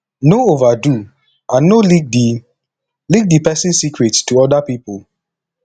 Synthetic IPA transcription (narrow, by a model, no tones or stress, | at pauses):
noovadu | ãnːolik̚di | lik̚dipɛsɪ̃nsikɹettuɔdapipʊl